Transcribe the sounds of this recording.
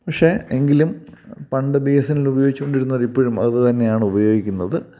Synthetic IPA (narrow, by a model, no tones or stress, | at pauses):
pɐkʂe̞eŋɡilumpɐɳɖɨbejɐsɐnilubɐjo̞ːɡit͡ɕːkːoɳɖiɾunːɐʋɐɾipːoːɻumɐ̰ððɨt̪ɐnːe̞jaːɳɨubɐjo̞ːɡikʲːunːɐðɨ